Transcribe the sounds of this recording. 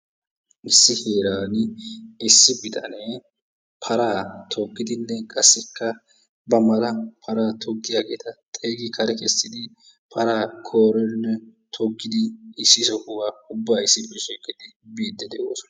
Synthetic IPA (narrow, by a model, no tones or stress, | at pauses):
ʔɪsːɪheːɾaːnɪɪsːɪbɪt̪ɐ̰nɛ | pʰɐɾaːt̪ʰɔɡːɪd̪ɪnːɛkʼɐsːɛkːɐ | bɐmɐɾɐpʰɐɾaːt̪ʰɔɡːɪjaːɡe̞ːt̪ɐt̪ʼeːɡɪkʰɐɾɛkɛsːɪd̪ɪ | pʰɐɾaːkʰoːɾɛnːɛt̪ʰɔɡːɪd̪ɪːsːɪsɔkʊwaːʊbːaːɪsːɪpɛʃiːkʼːɪd̪ɪbiːd̪ːɛd̪ɛʔo̰ːsɔ̥nɐ